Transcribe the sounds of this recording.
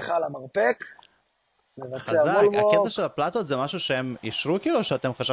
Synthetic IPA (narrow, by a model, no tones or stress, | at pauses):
χalamaʁpek | nevχsaezaaolvaoket̪aʃe̞laplat̪o̞t̪zemaʃuʃeemiʃʁukiːluʃeat̪e̞mχaʃa